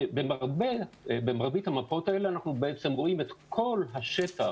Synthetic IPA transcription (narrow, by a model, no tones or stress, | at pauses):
bemaʁbebemaʁbithamapao̞taeleanaχnubeet͡semʁo̞imetkʰo̞lɦaʃeta